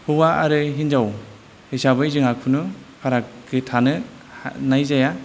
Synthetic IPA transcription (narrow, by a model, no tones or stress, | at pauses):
hɯwaʔaɾɯɦinzaw | hisabɯjzɯŋakʰɯnɯpʰaɾakɡɯtʰanɯ̰ | najzaja